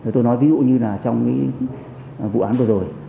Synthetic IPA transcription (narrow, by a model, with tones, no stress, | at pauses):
e˨˩t̪o˧jnɔ˨˦jvi˨˦zṵ˧˨ɲɨ˧laː˨˩t͡ɕɔ˧wŋ͡mka˨˦˨ | vṵ˧˨ʔaː˨˦nvɨ˨˩ə˩zo˨˩j